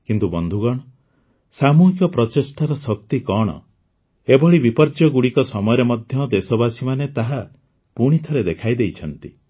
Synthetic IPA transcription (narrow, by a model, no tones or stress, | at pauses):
kint̪ubɔnd̪ʱuɡɔɽ̃ɔ | samuɦikjɔpɾɔt͡ʃesʈʰaɾɔsɔk̚t̪ikɔɽ̃ɔ̰ | ebɔɭibipɔɾd͡ʒjɔɡuɽikɔsɔmɔjɔɾemɔd̪ʱjɔd̪esɔbasimanet̪aɦa | puɽ̃it̪ʰɔɾed̪ekʰajd̪ejt͡ʃʰɔnt̪i